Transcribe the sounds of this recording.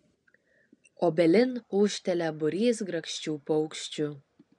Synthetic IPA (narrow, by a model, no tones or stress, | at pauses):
obʲelʲɪnuʃt̪ʲɛlʲæbuɾʲisɡɾɐkʃt͡ɕuːpowkʃt͡ɕu